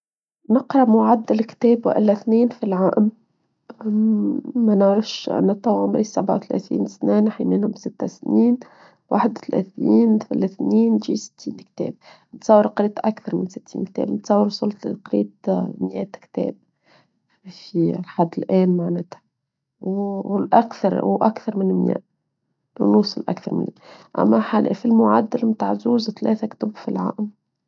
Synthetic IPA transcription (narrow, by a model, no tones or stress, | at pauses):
nɪqɾɑʔmʊʕad̪ːalkt̪eːbwʔɪ̰lːaθneːnfilʕaːʔɪm | manʕɾɪʃnɨt̪ˤːɑwʕʊmɾiːsabʕa̰wt̪alḛːθḭːnsneːnħimɪnhʊmsɪt̪ːasniːn | wa̰ħd̪lʔḛθniːnθa̰lɪθniːnʒiːsɪ̥t̪ʰːiːnkt̪ḛːb̚ | nt̪sˤɑwːɑɾqɾiːt̪ʔakθɑɾˤmɪnsɪt̪ʰːiːnk̚t̪ɛ̰ːbnɪt̪sɑwːɑɾsˤʊlt̪qɾḭːt̪mjɛːt̪kt̪ɛ̰ːb̚ | filħad̪ːɪlʔæːnmaʕnæːt̪hḁ | wlʔakθɑɾˤwʔakθɑɾˤmɪnmjɛ̰ːʔ | wnuːsˤɑlʔa̰kθɑɾmɪ̰nmjɛʔa̰mːaħalʔʔfilmʊʕad̪ːalmt̪aːʕzuːzt̪alɛːθakt̪ʊbfilʕa̰ʔm